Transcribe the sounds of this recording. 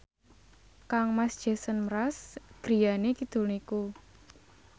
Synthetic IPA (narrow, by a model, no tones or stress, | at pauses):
kaŋmasd̥ʒ̥ɛ̤sənmɾasɡ̥ɾi̤janekid̪̥ṳniku